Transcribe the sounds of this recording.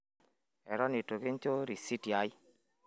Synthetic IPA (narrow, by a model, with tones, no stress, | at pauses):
ɛ˨ɾɔ˦ni˨to˨ke˦ɲ˦t͡ʃo˦ɾi˨si˦tja˨˦j